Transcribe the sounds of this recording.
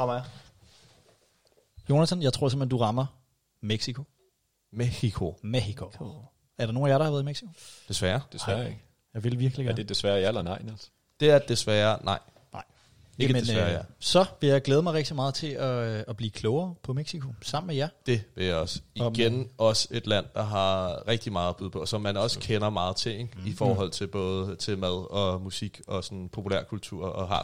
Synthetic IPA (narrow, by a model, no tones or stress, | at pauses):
ɑmɑ | jo̝næt͡sʰɒnjɑɪt͡sʰo̝ɐ̰semend̥uʁɑ̈mɐ | meɡ̥sikʰo̝ | meikʰo̝meɕikʰo̝ | æɐɾɑnoːnæjæaɾɑhɑʋæːɐðˠimeɡ̥si̥kʰo̝d̥e̝sʋæːɐd̥esæːɐeɡ̥ə | jɑɪʋelʋiɐɡ̥liɡ̥d̥e̝d̥e̝sʋæːɐjɑelɐnɑ̈ɪ̰næls | d̥e̝æɐd̥esʋæːɐnʔɑ̈ɪ̰ | nɑ̈ɪ̰ | ɡmensɐsɒ̽ʋe̝jɑ̈ɪɡ̥leːð̞̩ˠmɑɪʁeɡ̥̚d̥imɑ̈ːð̩ˠt͡sʰe̝ɒːb̥liːkʰlɔʊɐːpʰɒ̽meɡ̥sikʰo̝sɑ̈m̰n̩mejæd̥e̝ʋe̝ljɑ̈ɪɒ̽siɡ̥enɒ̽se̝d̥læn̰d̥ɑ̈ɦɑ̈ʁɛɡ̥̚d̥imɑ̈ːðˠɒb̥uðˠpʰɒ̽sɒ̽mːænɒ̽skʰenɐmɑ̈ːð̞̩ˠt͡sʰe̝̰ifɒːɦɒ̽l̰t͡sʰe̝lb̥ɔ̽ːðˠt͡sʰe̝lmæð̞ˠɒ̽musiɡ̥ɒ̽sɒ̽npʰo̝pʰulæɐ̰kʰult͡sʰuɐ̰ɒ̽ɦɑ̈